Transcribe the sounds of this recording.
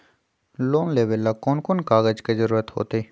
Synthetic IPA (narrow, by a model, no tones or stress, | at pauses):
loːnleːʋəlːakonkonkaːɡəd͡ʒkezəɾuːɾət̪ho̰ːt̪eiː